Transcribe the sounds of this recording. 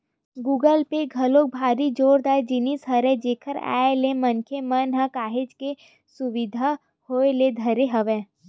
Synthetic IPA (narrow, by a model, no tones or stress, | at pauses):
ɡuːɡəlpeɡʱɐlok̚bʱaːɾid͡ʒoːɾd̪aːd͡ʒɪnisɦɐɾɛ̃d͡ʒeːkʰəɾa̰ːelemɐnkʰemənɦãkaːɦed͡ʒke | sʊʋɪd̪ʱa | hoːeled̪ʱɐɾeɦɐʋɛ̃ː